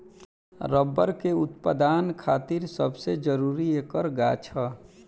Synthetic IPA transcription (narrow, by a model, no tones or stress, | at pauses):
ɾəbːəɾkeʊt̪pəd̪aːnkʰaːt̪ɪɾsəbsed͡ʒəɾuːɾiekəɾɡat͡ʃʰa